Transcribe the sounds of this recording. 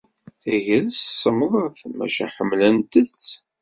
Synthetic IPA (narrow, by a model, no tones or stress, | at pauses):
θæʝəlssˤːəməðˤəθmæ̰ʃæ̰ħəmːlənt̪ət͡sː